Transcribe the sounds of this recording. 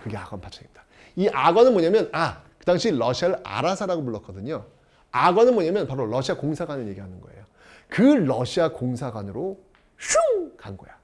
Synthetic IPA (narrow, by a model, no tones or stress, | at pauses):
kɯɡe̞aɡwʌnpʰat͡ɕʰʌɡimid̥a | iʔaɡwʌnɯnmʌɲamjʌna | kɯdaŋɕʰiɾʌɕʰiaɾɯɾa̰ɾasʰaɾaɡomoɭːʌk͈ʌdɯɲo | aɡwʌnɯnmoɲamjʌnpaɾoɾʌɕʰiakoŋsʰaɡwanɯɭje̞ɡiɦanɯnɡʌḛjo | kɯɾʌɕʰiakoŋsʰaɡwanɯɾo | sʰuŋkanɡo̰ja